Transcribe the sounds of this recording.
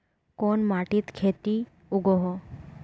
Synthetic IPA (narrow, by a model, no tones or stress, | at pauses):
konmaʈit̪kʰet̪i | uɡoɦo